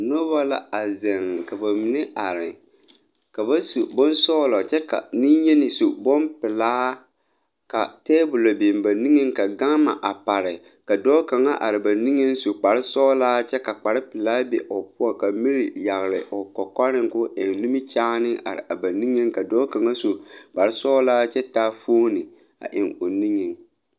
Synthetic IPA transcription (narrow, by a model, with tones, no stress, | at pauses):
no˦ba˦la̰˦a˨zɛ˨ŋ˨ka˨ba˨mɪ˨nɪ˦a˨ɾɪ˨ | ka˨ba˦su˨bɔ˦nsɔː˦lɔ˨t͡ʃɛ˦ka̰˨nɪ˦ɲɛ˦nɪ˨su˨bɔ˦npɪ˨laː˦ | ka̰˨teː˦bʊ˨lo˨bɪ˨mba˨ni˦ŋe˦ŋka˨ɡa˦ŋma̰˨ʔa˨pa˨ɾɪ˨ | ka˨dɔː˦ka˨ŋa˦ʔa˨ɾɪ˨ba˨ni˦ŋe˦nso˨k͡pa˨ɾɪ˦sɔː˦laː˦t͡ʃɛ˦ka˨k͡pa˨ɾɪ˦pɪ˨laː˦bɛ˨ʔʊ˨pʊ˦ɔ˨ka˨mi˦ɾi˨ja˨ɣɪ˨lɪ̰˨ʔɔ˨kɔ˨kɔ˦ɾɪ˦ŋkʊ˦ʔɪ˨ŋnu˦mi˦t͡ʃaː˦nɪ˦ʔa̰˨ɾɪ̰˨ʔa˨ba˨ni˦ŋe˦ŋka˨dɔː˦ka˨ŋa˦so˨k͡pa˨ɾɪ˦sɔː˦laː˦t͡ʃɛ˦ta˦foː˦nɪ˨ | a̰˨ʔɪ˨ŋo˨ni˦ŋɪ˨ŋ